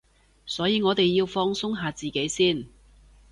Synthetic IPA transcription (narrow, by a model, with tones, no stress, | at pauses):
sɔː˨˥jiː˨˧ŋɔː˨˧t̪e˨jːiː˧wfɔː˧ŋsʊ˥ŋɦaː˨˧t͡siː˨˩ke˨˥jsiː˥˩n